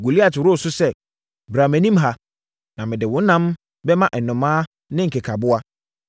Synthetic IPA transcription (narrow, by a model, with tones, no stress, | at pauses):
ɡu˨li˦a˨tɪ˨ɾʊ˦˨sʊ˦sɛ˦ | bɾa˨mɛ̃˨nĩ˦mɦa˦ | nã˨mɪ̃˨dɪ˨wʊ̃˦n̩˦nã˦m | bɛ˦mã˦ʔɛ˨nʊ̃˨mãː˦ | nɪ̃˦ŋ̩˨kʰe˨kʰa˨bʊ˦a˦